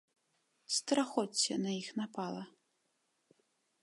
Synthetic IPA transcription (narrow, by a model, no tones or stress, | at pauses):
st̪ɾaxɔt͡sʲːɛ̰nɐixnapalˠɐ